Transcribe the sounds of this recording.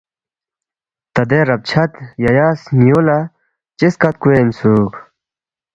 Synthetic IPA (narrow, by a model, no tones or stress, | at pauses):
t̪ɐd̪eɾɐb̚t͡ɕʰɐt̪jɐjaːsnijola | t͡ɕiskɐt̪̚kuensuːk